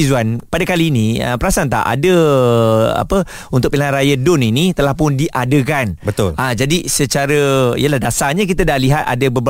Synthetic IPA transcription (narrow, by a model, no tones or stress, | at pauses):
izuanpadakaliːniə̰pəɾasant̪a̰ʔa̰də | a̰pə | unt̪ʊk̚pilaanɾajadʊninit̪əlahpʊndiʔadəkanbət̪ʊlad͡ʒadisət͡ʃaɾəḭjəlahdasaɲãk̬it̪adaliɦat̪̚a̰dəbəb